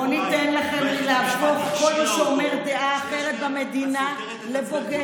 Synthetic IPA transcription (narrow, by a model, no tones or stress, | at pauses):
onit̪enlaχemlilaafoχkoleʃeomeʁd̪eʔaχeʁek̪̚bamed̪ina | leboɡe